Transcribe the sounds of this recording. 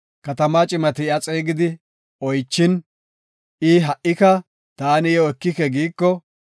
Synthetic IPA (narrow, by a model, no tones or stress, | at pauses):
kɐt̪ɐmaːt͡ʃʼɪmɐt̪ɪɪɐt͡sʼeːɡɪd̪ɪ | ɔjt͡ʃːɪn | ʔɪɦɐʔɪkɐ | t̪aːnɪjɔɛkːɪkɛɡiːkːɔ